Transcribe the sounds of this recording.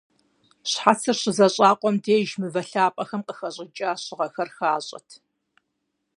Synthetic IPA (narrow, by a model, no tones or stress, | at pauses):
ɕħat͡sʰɨrɕɪzɐɕʼɑːqʷʼɔmdeːʒmɨvɐɬaːpʼɐxɐmqəxɐɕʼɪt͡ʃʼaːɕɪʁɐxɐrxaːɕʼɐ̰tʰ